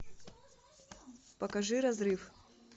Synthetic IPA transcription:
pɐkɐʐɨɾɐzɾɨf

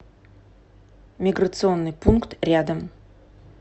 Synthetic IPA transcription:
mʲiɡɾət̪sɨonːɨjpunkt̪rʲad̪əm

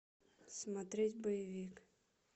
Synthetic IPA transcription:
smɐt̪ɾʲetʲbəjɪvʲik

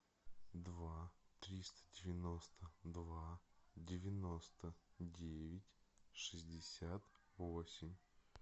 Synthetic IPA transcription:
d̪vat̪ɾʲist̪ə̥dʲɪvʲɪno̞st̪əd̪vadʲɪvʲɪnost̪ədʲevʲɪtʲʂɨzʲdʲɪsʲat̪ | vo̞sʲɪmʲ

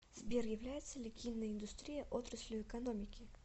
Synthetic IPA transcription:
z̥bʲerjɪvlʲæjɪt̪sːəlʲɪɡʲijnːəjɪnd̪ʊst̪ɾʲijəʔot̪ɾəsʲlʲʊɛkɐnomʲɪkʲɪ

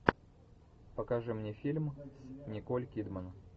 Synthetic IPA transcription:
pəkɐʐɨmnʲefʲilʲmnʲɪkolʲkʲid̪mən

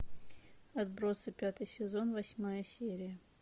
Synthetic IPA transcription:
ɐd̪̚bɾo̞sɨpʲat̪ɨjsʲɪzo̞nvɐsʲmajəsʲeɾʲɪjə

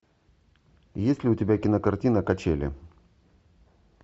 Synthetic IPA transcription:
jesʲlʲɪʊtʲɪbʲakʲɪnəkɐrtʲinəkɐt͡ɕelʲɪ̰

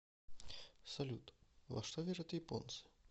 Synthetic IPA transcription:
sɐlʲut̪vɐ̰ʂt̪ɔvʲeʐɐt̪jɪpont̪sɨ̥

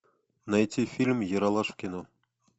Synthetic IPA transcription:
nɑjtʲːifʲilʲmʲjɤ̆ɾɑlˠɑʂkʲeno

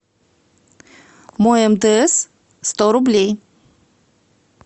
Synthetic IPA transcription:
moɛmd̪əs | st̪ɔɾublʲej

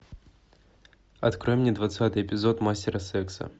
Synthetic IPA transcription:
ɐt̪kɾojmnʲed̪vɐt̪sat̪ɨjɪpʲɪzo̞t̪masʲtʲɪɾəsɛksə̰

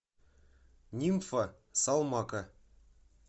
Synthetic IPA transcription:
nʲimfɑ | sɑlˠmɑkɤ

